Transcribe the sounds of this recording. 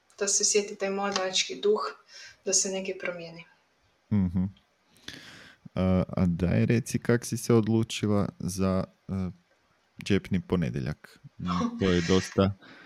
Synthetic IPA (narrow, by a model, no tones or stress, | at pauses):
d̪̥asesjet̪it̪ajmoant͡ʃkid̪uxd̪̥asenekepɾomjeni | m̩ɦm̩ | əa̰d̪a̰jeɾe̞t̪sikaksiseod̪lˠuːt͡ʃilˠa̰za | ə | d͡ʒe̞pniponḛd̪jeʎʔa̰k | t̪o̞jed̪o̞st̪a